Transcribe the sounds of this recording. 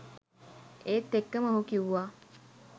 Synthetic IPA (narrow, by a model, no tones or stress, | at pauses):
eːt̪ːekːəməɦukiʋuʋaː